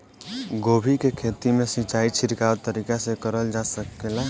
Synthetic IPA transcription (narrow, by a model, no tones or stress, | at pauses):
ɡobʱikekʰet̪imesit͡ʃait͡ʃʰiɾkat̪əɾikasekəɾəld͡ʒasəkela